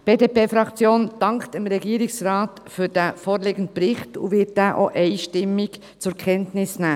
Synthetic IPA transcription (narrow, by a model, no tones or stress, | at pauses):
b̥eːdeːpeːfɾɑkt͡sjoːnd̥ɑŋktəmɾɛɡiːəɾɪksrɑːt | fyːɾd̥æfoːɾleːɡ̥ənt̚pɾɪχtṵʋɪt̚d̥æːʔoʔɛɪʃtɪmːik | t͡sʊɾkʰɛntnɪsnæː